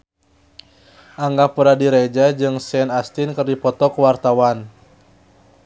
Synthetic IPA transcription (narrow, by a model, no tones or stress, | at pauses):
ʔaŋɡapuɾadiɾed͡ʒad͡ʒɨŋsɛnast̪inkərdipɔt̪ɔkwart̪awan